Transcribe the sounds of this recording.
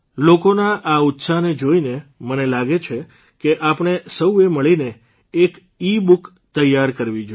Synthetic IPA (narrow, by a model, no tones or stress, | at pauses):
lokonaʔaut̪saned͡ʒoinemənelaɡet͡ʃʰe | keʔapɳ̃esəweməɭine | ek | ibuk | t̪əjaɾkəɾʋid͡ʒo